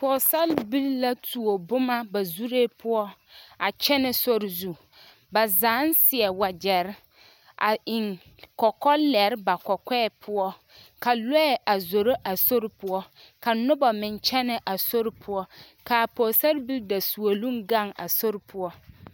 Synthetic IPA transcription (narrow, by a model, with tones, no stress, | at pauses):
pɔː˨sa˦lbi˦lla˦tʰu˨o˨bʊ˦ma˦ba˨zu˦ɾeː˦pʰʊ˦ɔ˦a˨t͡ʃɛ˦nɪ˦so˦ɾɪ˨zu˨ | ba˨zaː˨˦n˦sɪ˨ɛ˨wa˨d͡ʒɛ˨ɾɪ˦ | ʔa̰˨ɪ˨ŋ | kɔ˨kɔ˦lɛ˨ɾba˨kɔ˨kɛː˦˨pʰʊ˦ɔ˦ | ka˨lɛ˦ɛ˨ʔa˨zo˨ɾo˦ʔa˨so˦ɾpʊ˦ɔ˦ | ka˨nʊ˦ba˨mɪ˨nt͡ʃɛ˦nɪ˨ʔa˨so˦ɾɪ˦pʰʊ˦ɔ˦ | ka˨pɔː˨sa˦lbi˦lda˨su˨o˨lũ˦ŋɡa˦˨ŋa̰˨so˦ɾɪ˦pʰʊ˦ɔ˦